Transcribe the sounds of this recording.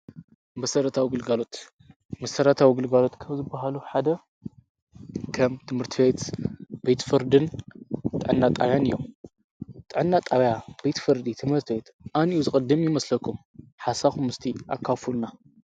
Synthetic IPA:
mɐsɐɾɐt̪ʰawiɡɨlɡalo̞t̪ | mɐsɐɾɐt̪ʰawiɡɨlɡalo̞t̪kʰɐβzɨbːaɦaluħad̪ɐ | kʰɐmt̪ʰɨmhɨɾt̪ʰɨbet̪b̥et̪fɨɾd̪ɨnt̪ʼɨʕɨnːat̪ʼaβjanɨjːom | t̪ʼɨʕɨnːat̪ʼaβjab̥e̞t̪fɨɾd̪it̪ʰɨmhɨɾt̪ʰɨbet̪ʔaniuzɨkʼɨd̪ːɨmjɪmɐslɐkʰːum | ħasaxumɨst̪ʰiʔakʰːafulna

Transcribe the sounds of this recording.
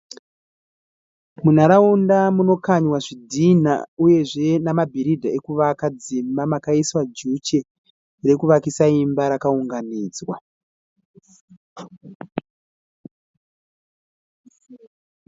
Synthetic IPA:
mun̤aɾaundamuno̞kaɲwaʐidʱina̰uje̞ʐe̞namabʱiɾidʱaekuʋakad͡zimbamakaiswad͡ʒut͡ʃe̞ | re̞kuʋakisaimbaɾakauŋɡaniːd͡zwa

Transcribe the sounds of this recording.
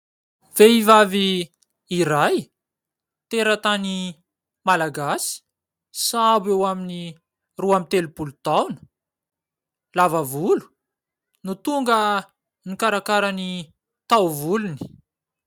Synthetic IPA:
veivaviː | ɾaj | t̪eɾət̪ani | malaɡasi̥ | sabewamini | ruamit̪elupulut̪awnə̥ | lavavulu̥ | nut̪uŋɡə | nikaɾakaɾani | t̪awvuluni̥

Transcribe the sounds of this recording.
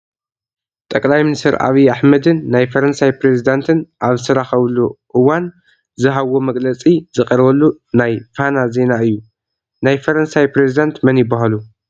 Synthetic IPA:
t̪ʼɐkʼlajminist̪ʰɐɾʔa̰βiaħmɐd̪ɨnːajfɐɾɐnsajpɾe̞zid̪ant̪ʰɨnʔaβsɐɾaxɐβluʔɨwan | zɨɦawːo̞mɐɡlɐt͡sʼizɨkʼɐɾβɐlːunajfanaze̞naɨjːu | najfɐɾɐnsajpɾezid̪ant̪mɐnjɪbːaɦalu

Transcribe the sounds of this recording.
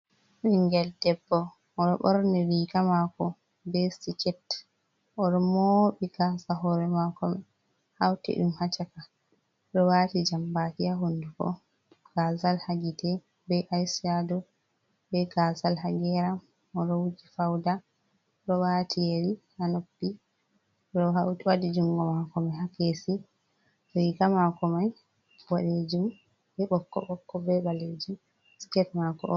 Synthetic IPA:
ʔiŋɡɛldɛbːɔ | ʔːɾɔɓɔɾniwikamakɔ | bɛsit͡ʃɛt | ʔɔɗɔmoɓiɡasaɦɔɾɛmakɔmɛ | hawtɛ̰ɗumhat͡ʃaka | ɗɔwatid͡ʒambakijaɦondukɔ̰ | ɡ̥azalhaɡitɛ | bɛʔajsiadɔ | bɛɡazalhaɡɛɾam | ɔɾɔwud͡ʒifawda | ɗɔwaːtʰijeɾi | hanopːi | ɗɔɦawtwadid͡ʒuŋɡɔmakɔmahakesi | ɾikamakɔmaj | waɗed͡ʒum | bɛɓɔkːɔ̰ɓɔkːɔbɛɓaled͡ʒum | skɛtmakɔ̰ʔɔ

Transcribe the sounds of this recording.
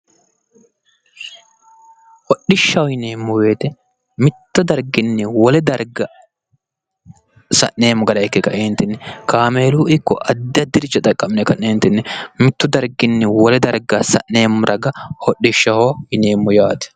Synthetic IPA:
hɔɗːɪʃːɐwɔhɪneːmːʊwe̞ːt̪ɛ | mɪt̪ːʊd̪ɐɾɡɪnːɪwɔlɛd̪ɐɾɡɐ | sɐ̰ʔne̞ːmːʊɡɐlɐjɛkːɛkɐ̰ʔeːnt̪ɪnːɛkaːme̞ːluːɪkːɔ̰ʔɐd̪ːɪɐd̪ːɪɾɪt͡ʃːɐt̪ʼɐkʼːɐmɪnɛkɐʔneːnt̪ɪnːɪmɪt̪ːʊd̪ɐɾɡɪnːɪwɔlɛd̪ɐɾɡɐsɐʔne̞ːmːʊɾʔɐɡɐhɔɗːɪʃːɐhoːhɪneːmːʊjaːt̪ɛ̥

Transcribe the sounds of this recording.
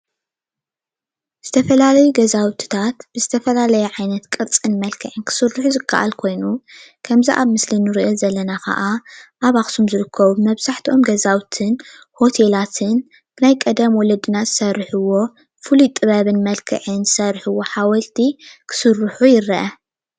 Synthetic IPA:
z̥ɨt̪ʰɐfɐlalɐjuɡɐzawt̪ʰi̥t̪ʰat̪b̥ɨzɨt̪ʰɐfɐlalɐjɛʕajnɐt̪kʼɨt͡sʼɨnmɐlkʰɨʕɨnkʰɨ̥sɨrːɨħuzɨkʰːa̰ʔa̰lkʰo̞jnukʰɐmziʔaβmɨslinɨɾiʔɐzɐlːɐnakʰɐ̰ʔaʔaβaxsumzɨɾɨkʰːɐβubɨmɐβzaħt̪ʰiʔo̞mɡɐzawt̪ʰɨn | ho̞t̪ʰe̞lat̪ʰɨn | b̥ɨnajkʼɐd̪ɐmwɔlɐd̪ɨnazɨsɐrːɨħɨwo̞ | fɨlujt̪ʼːɨβɐβɨnmɐlkʰɨ̰ʕɨnzɨsɐrħɨwo̞ħawɐlt̪ʰikʰɨ̥sɨrːɨħujɪɾːɐʔɐ

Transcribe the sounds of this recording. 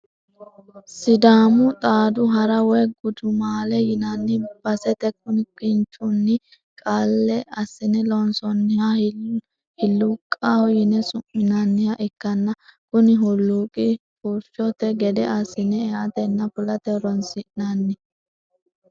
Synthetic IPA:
sɪd̪aːmʊt̪ʼaːd̪ʊɦɐɾɐwɔjɡʊd̪ʊmaːlɛjɪnɐnːɪb̥ɐsɛt̪ɛk̚ʊnɪkɪnt͡ʃʼʊnːɪ | kʼalːɛɐsːɪnɛlɔnsɔnːɪhɐ | hɪlːʊkʼːahɔjɪnɛsʊmːɪnɐnːɪhɐʔɪkːɐnːɐkʊnɪɦʊlːuːkʼɪkuɾʃɔt̪ɛɡɛd̪ɛɐsːɪnɛɛʔɐt̪ɛnːɐpʊlɐt̪ɛɾɔnsɪʔnɐnːɪ

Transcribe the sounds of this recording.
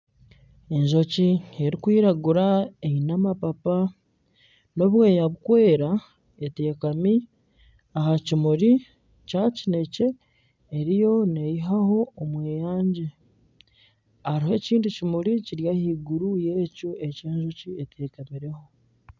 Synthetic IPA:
e̞ɲʒo̞cie̞ɾikwiːɾaɡuɾaeinamapapa | no̞βweːjaβukwe̞ːɾa | ete̞ːkami | ahacimuɾi | cacine̞ce̞ː | ɾijo̞ne̞jiɦaho̞ːmweːjaːɲɟe | aɾihe̞ciːndicimuɾiciɾjahiːɡuɾuje̞coe̞ceːɲʒo̞cie̞tʰe̞ːkamiɾe̞ho̞

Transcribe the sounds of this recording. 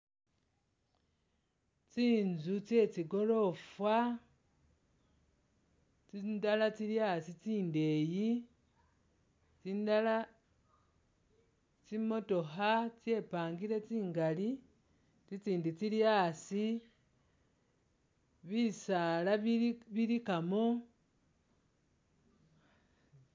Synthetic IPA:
t͡siːnzut͡se̞t͡siɡo̞lo̞fwa | t͡sindalat͡siljasit͡siːnde̞ji | t͡sindala | t͡simo̞to̞xɦat͡sje̞paːŋɡile̞t͡siːŋɡali | t͡sit͡siːndit͡siljaːsi | βisaːlaβilikamo̞

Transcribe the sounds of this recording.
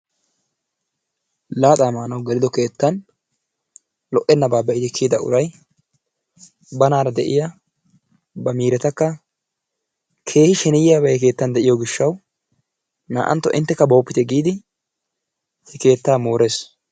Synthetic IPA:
laːt̪ʼaːmaːnɐwɡɛlɪd̪ɔke̞ːt̪ːɐn | lɔʔɛnːɐbaːbɛɪd̪ɪkʰːiːd̪ɐʔʊ̰ɾɐj | bɐnaːɾɐd̪ɛʔɪ̰ja | bɐmiːɾɛt̪ɐkːɐ | kʰe̞ːhɪʃɛnɪjɪjaːbɐjɛk̬e̞ːt̪ːɐnd̪ɛʔɪjɔɡɪʃːɐw | na̰ːʔɐ̰nt̪ːɔʔɪ̰nt̪ːɛkːɐbo̞ːpːɪt̪ɛɡiːd̪ɪ | hɛke̞ːt̪ːaːmo̞ːɾe̞ːs

